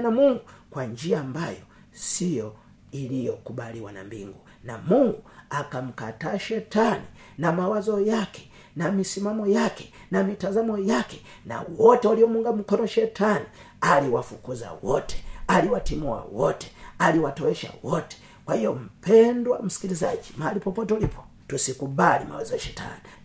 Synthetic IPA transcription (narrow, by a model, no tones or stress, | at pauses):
namuŋɡukwaɲd͡ʒiaːmbajɔ | sijɔ | ilijɔkuɓaliwana̰mbḭŋɡu | namuŋɡuakam̩kataːʃɛtani | namawazɔjakɛ̥ | namisimamɔjakɛ̥ | namitazamɔjakɛ̥ | na̰wɔtɛalijɔmuŋɡam̩kɔnɔʃɛtani | aliwafukuza̰wɔtɛ̥aliwatimuwa̰wɔtɛ̥aliwatɔɛʃa̰wɔtɛ̥ | kwahijɔm̩pɛndwam̩si̥kiliza̰d͡ʒimaalipɔpɔtɛulipʰɔ̥ | tusikubalima̰wa̰zɔjaʃɛtʰa̰ni